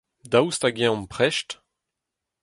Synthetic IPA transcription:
dawstaɡɛ̃ɔ̃mpχɛʃt

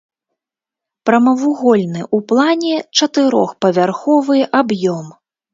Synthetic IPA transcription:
pɾɐmɐvuɣɔlʲnɨʔuplˠanʲɛt͡ʂɐt̪ɨɾɔ̰xpɐvʲarxɔvɨʔabjɔm

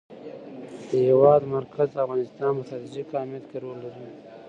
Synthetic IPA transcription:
d̪̥əhɪwɑd̪maɾkʰazd̪afɣɑnɪst̪ɑnpəsɑt̪iʒikɑmjat̪keɾolːaɾu

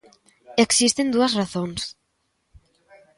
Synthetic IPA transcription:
eksist̪end̪uɐsraθoŋs

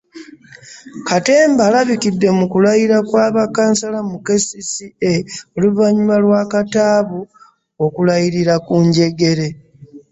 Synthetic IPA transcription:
kate̞ːmbalaβikidːe̞mukulajiɾakwaːβakaːnsalamuke̞sisieo̞luvaɲimalwakataːβu | o̞kulajiɾiɾakuɲɟe̞ɡe̞ɾe̞

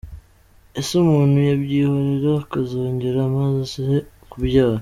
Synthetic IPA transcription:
esumuːn̥hujabɟiːhoɾeɾakazoːɲɟeɾamazasihe | kubjaː

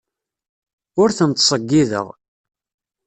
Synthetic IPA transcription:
ʊɾθənt̪sˤəɡːiðə̰ʁ

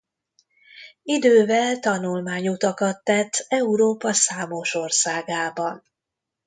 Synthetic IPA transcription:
id̪øːvɛlt̪ɒnulmaːɲut̪ɒkɒt̪ːɛt̪ːɛuɾoːpɒsaːmo̞ʃo̞rsaːɡaːbɒn

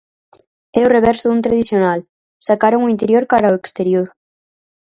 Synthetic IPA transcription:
ɛʊreβ̞ɛɾsʊðunt̪ɾaðiθjonal | sakaɾoŋoint̪eɾjoɾkaɾaoekst̪eɾjoɾ

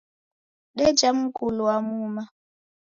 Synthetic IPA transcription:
ɗɛd͡ʒam̩kuluamuma

